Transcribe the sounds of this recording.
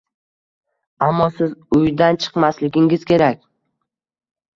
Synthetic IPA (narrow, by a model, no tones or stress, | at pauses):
amːɒsɪzʊjd̪ant͡ʃʰɨ̥qmaslɪɡʲɪŋɪz̥kʲe̞ɾakʲ